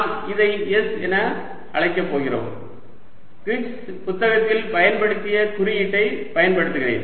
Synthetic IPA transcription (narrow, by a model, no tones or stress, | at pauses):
mɪðɐɪɛsɛnɐ | ʔɐɭɐɪkːɐpːoːɣɪro̰ːm | kɪʈs | pʊt̪ːɐɣɐt̪ːɪlpɐjɐnpɐɽɯt̪ːɪjɐt̪ʊɾɪjɪʈːɐɪpɐjɐnpɐɽɯt̪ːɯɣɪrḛːn